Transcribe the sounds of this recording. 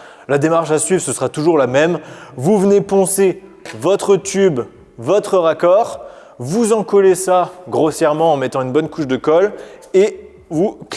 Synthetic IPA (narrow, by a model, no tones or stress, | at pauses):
lad̪emaʁʃasɥivʁsəsəʁat̪uʒuʁlamɛmvuvənepɑ̃se | vɔt̪χət̪ʰyb | vɔt̪χəʁakɔʁ | vuzɑ̃kɔlesaɡʁosjɛʁmɑ̃ːmɛt̪ɑ̃ynbɔnkuʃd̪əkɔle | vuk